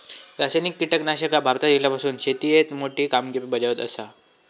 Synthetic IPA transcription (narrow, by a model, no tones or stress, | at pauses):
ɾasajnikːiʈəknaɕəkabʱaɾt̪ad̪it̪ljapasuːnɕet̪ijet̪moʈiːkamɡepibəd͡ʑaʋət̪ə̰sa